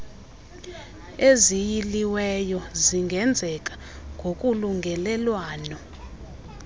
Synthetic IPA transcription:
ezijiliwɛjɔziŋɡʱɛnd͡zʱɛk̬ʼḁ | ŋɡʱokʼuluŋɡʱɛlɛlwaːnɔ

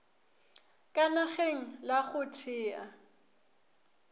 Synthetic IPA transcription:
kʼanaχeŋ̩laχʊtʰɪːa

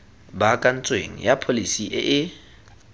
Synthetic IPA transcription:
bakʼan̩t͡sʼweŋ̩japʰolisiʔɪʔɪ

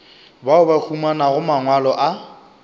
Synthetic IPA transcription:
baʊbak͡xʰumanaɣʊmaŋwalɔʔa

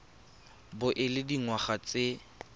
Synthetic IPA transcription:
bʊʔɪlɪdiŋwaχat͡se

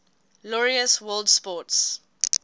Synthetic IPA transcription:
lɔɹiəswɜldspɔts

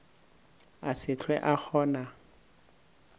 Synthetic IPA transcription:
asɪt͡ɬʰwɛ̰ʔak͡xʰɔːna

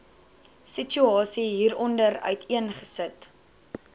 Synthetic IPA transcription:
sit͡ʃyɑːsiɦiːɾɔndərœ̰ɥtʰiənχəsət

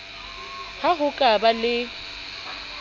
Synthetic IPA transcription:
haɣʊkʼabalɪ

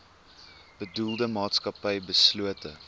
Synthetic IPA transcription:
b̥ədulˠdəmɑːtskɐpɐjbəsluətə

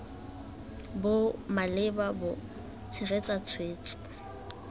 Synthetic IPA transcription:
bʊmalɪbabʊ | t͡sʰɪɣet͡sʼat͡sʰweːt͡ʃʼɔ̥

